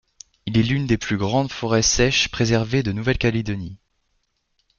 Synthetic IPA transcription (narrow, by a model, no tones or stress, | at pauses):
ilɛlynd̪eplyɡʁɑ̃d̪fɔʁɛsɛʃpχezɛʁved̪ənuvɛlkaled̪ɔni